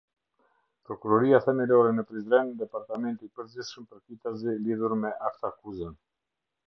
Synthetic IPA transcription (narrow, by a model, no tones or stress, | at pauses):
pɾɔkuɾɔɾiaθɛmɛlɔɾɛnəpɾizɾɛnd̪ɛpaɾt̪amɛnt̪ipəɾziθʃəmpəɾkit̪aziliðuɾmɛʔaft̪akuzən